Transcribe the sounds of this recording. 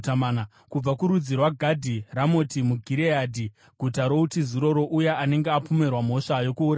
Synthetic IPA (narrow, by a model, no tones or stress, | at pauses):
amana | kub͡vakuɾud͡zirwaɡʱadʱiramotimuɡʱiɾeadʱi | ɡ̥ʱutaɾo̞utiziɾo̞ɾo̞ʔujeʔane̞ŋɡeapome̞rwam̤o̞ʂajo̞kuːra